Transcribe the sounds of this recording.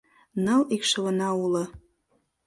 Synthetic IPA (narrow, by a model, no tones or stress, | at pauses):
nɤlikʃɤ̆βə̆nɑulɤ̆